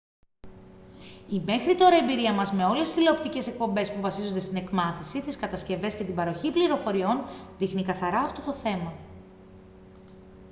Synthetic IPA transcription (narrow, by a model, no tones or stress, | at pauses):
ime̞xɾit̪o̞ɾɐembiɾiɐmɐzme̞o̞lesizθile̞opt̪ice̞se̞k̚po̞mbe̞spuvɐsizond̪est̪ine̞kmɐθisit̪iskɐt̪ɐsce̞ve̞sce̞t̪ibɐɾo̞çipliɾo̞fo̞ɾio̞nðixnikɐθɐɾɐːft̪o̞t̪o̞θe̞mɐ